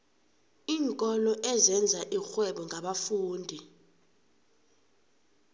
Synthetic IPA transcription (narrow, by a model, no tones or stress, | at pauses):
iːŋkʼɔlɔʔɛzɛnd͡zʱaʔixwɛɓɔŋɡʱaɓafuːndʱi